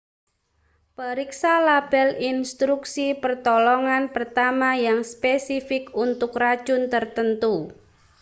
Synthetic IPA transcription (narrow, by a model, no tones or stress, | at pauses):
pəɾiksalab̥ɛlinst̪ɾuksipərt̪ɔlɔŋanpərt̪amajaŋspesifɪkunt̪ʊkrad̥ʒ̥ʊnt̪ərt̪ənt̪u